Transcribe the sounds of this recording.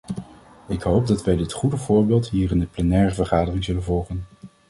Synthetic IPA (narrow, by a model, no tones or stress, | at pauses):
ɪkɦowpb̚dɑtʋɛjdɪtχudəvʊːɹbeːlˠtɦiːrɪndəplɛnɛːɹəvəɹχaːdərɪŋzɵlənvɔlˠχən